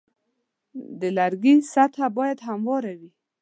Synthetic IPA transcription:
d̪əlaɾɡisat̪ʰabɑjad̪ɦamwɑɾawi

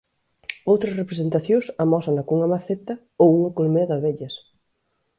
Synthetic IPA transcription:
owt̪ɾɐsrepɾesent̪aθjõsɐmɔsɐŋɐkuŋɐmaθet̪ɐ | owuŋɐkolmeɐðɐβeʎɐs

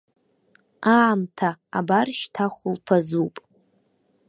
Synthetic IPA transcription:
aːmtʰa̰ːbarʃtʰaχʷʊlpʰazupʼ

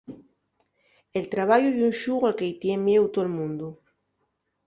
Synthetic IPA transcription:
elt̪ɾaβ̞aʎujunʃuɣalkejt̪jemjewt̪olmũnd̪u

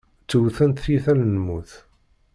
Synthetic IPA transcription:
t͡sːuwθənt̪θiθælənəmuθ

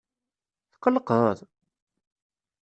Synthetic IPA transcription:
θqːələqðˤəðˤ

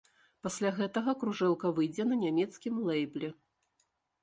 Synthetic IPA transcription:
pasʲlʲaɣɛt̪ɐɣɐkɾuʐɛlˠkɐvɨjd͡zʲɛnɐnʲamʲɛt̪skʲimlˠɛjblʲɛ

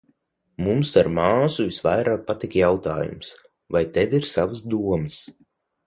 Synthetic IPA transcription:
mumsaɾmaːsuvisvajɾaːk̚pat̪ikjawt̪a̰ːjṵms | vajt̪ɛvʲiɾsavəsd̪uɔmɨs

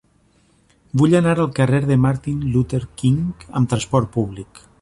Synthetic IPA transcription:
buʎənaɾəlˠkəreɾðəmaɾt̪inlut̪eɾkiŋkə̰mt̪ɾəspɔɾt̪̚puβlik

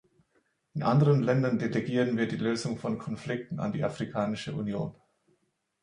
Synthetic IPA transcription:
ʔɪnʔandəʁənlɛndɐndeleɡiːʁənviːɐdiːløːzʊŋfɔnkʰɔnflɪk̚tn̩a̰ndiːʔafʁ̥ikʰaːnɪʃəʔṵnjoːn

